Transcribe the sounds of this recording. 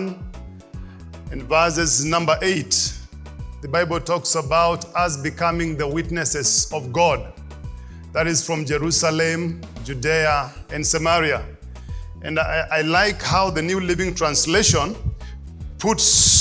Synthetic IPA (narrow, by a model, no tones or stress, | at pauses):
n | ɨ̃nvɜ˞sɨznʌ̃mbə˞ʔeɪt | ðəbaɪbl̩ˠtʰɔksəbaʊtəzbɨkʰʌmɪ̃ŋðəwɪtnɨsɨzʌvɡɔd̪̚ | ðɨɾɨz̥fɹʌ̃md͡ʒɛɹusəlɨ̃md͡ʒʉdeə | ɨ̃nsɨmɛɹiɨ | ʔɨ̰̃nʔaɪlaɪkhaʊðɨnjʉlivɪ̃ŋtʰɹ̥ãnsleɪʃə̃n | pʰʊts